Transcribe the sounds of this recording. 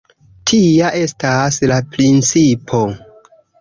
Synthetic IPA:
tʰiaʔe̞staslapɾint͡sipʰo̞

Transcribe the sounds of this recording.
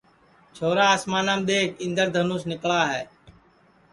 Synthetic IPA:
t͡ʃʰoːɾaːəsmaːnaːmɗ̪eːkʰɪ̃nd̪əɾd̪ʱənuːsnɪkɭaːɦɛ̰ː

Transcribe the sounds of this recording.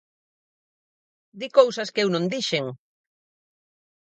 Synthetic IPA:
d̪ikowsɐskewnõnd̪iʃeŋ

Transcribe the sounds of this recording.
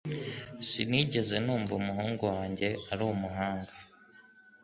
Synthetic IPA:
siniːɟe̞ze̞nuːɱvumuɦuːŋɡuwaːɲɟe̞aɾumuɦaːŋɡa

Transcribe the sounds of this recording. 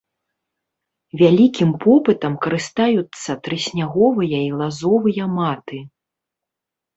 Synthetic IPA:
vʲalʲikʲimpʰɔpɨt̪ɐmkɐɾɨst̪ajut̪sːɐt̪ɾɨsʲnʲaɣɔvɨjɐilˠazɔvɨjɐmat̪ɨ

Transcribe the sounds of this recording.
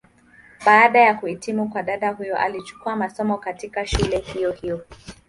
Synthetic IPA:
ɓaːɗajakuhitimukwaɗaɗahujɔʔa̰lit͡ʃu̥kuamasɔmɔkatikaʃulɛhijɔhijɔ

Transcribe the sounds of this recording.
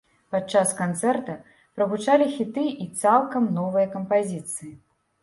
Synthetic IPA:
pat͡ʂaskant̪sɛrt̪ɐ | pɾɐɣut͡ʂalʲixʲit̪ɨʔit̪salˠkɐmnɔvɨjɐkɐmpazʲit̪sɨji

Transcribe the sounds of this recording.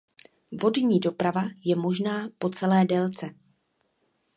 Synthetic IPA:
vo̞dɲiːdo̞pɾavajɛmo̞ʒnaːpo̞t͡sɛlɛːdɛlt͡sɛ

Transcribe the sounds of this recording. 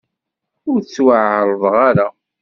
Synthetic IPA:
ʊɾt͡sːwaʕʕɾˤəðˤʁaɾa

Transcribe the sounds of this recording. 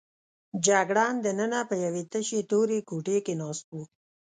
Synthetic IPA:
d͡ʒaɡɽɑnd̪ənənapəjawet̪əʃet̪oɾekuʈekenɑst̪̚u

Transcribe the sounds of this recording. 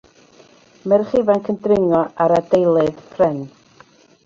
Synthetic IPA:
mɛrχɪvankʰəndrɪŋɔaɾadejlˠɨðpʰrɛn

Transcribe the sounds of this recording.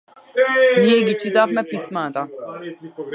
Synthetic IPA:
nijɛɡit͡ʃit̪afmɛpismat̪a

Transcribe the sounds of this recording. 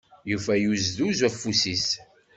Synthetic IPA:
jufæjuzðuzwæfːusis

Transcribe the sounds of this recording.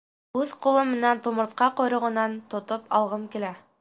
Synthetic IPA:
ʉðqulˠɤmːɘ̆nænt̪ŏmɤ̆t̪̚qɑqŏjɾɤ̆ʁɤ̆nɑnt̪ŏt̪opɑ̰lˠʁɤmkilæ

